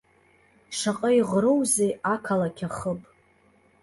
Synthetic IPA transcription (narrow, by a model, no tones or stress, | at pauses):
ʂaqʼəiʁrowzejakʰalakʲʰaχəpʼ